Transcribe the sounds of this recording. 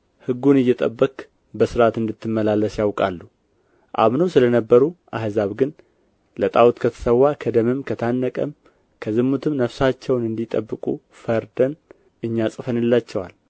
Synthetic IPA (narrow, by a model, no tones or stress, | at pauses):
hɨɡːunɨjːɛt̪ʼəbːək | bəsɨɾat̪ɨnd̪ɨt̪ʰːɨmːəlalːəsjawkʼalːu | ʔa̰βnowsɨlənəbːəɾuʔaɦzaβɡɨn | lət̪ʼawut̪kʰət̪ʰə̥səwːakʰəd̪əmɨmkʰət̪ʰanːəkʼəm | kʰəzɨmːut̪ʰɨmnəfsat͡ʃːɛwnɨnd̪it̪ʼə̰bːɨkʼṵ | fəɾd̪ən | ɨɲːasʼɨfənɨlːat͡ʃːɛwal